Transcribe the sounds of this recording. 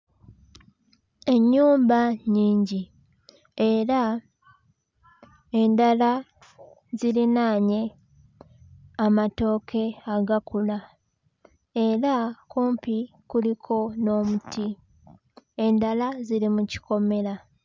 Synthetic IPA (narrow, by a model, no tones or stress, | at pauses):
e̞ɲːuːmbaɲiːɲɟi | e̞ɾa | e̞ndala | zilinaːɲe̞ | amato̞ːkʰe̞aɡakula | e̞ɾakuːmpi | kulikʰo̞no̞ːmuti | e̞ndalaziɾimuci̥ko̞me̞la